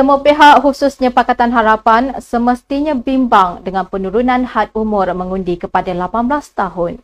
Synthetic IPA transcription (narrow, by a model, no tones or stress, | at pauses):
səmɔpeɦaʔhususɲãpakat̪anɦaɾapansəməst̪iɲãbimbaŋdəŋãnpənũɾunãnhat̪̚umʊ̃rmə̃ŋũndikəpadalapanblast̪aɦʊn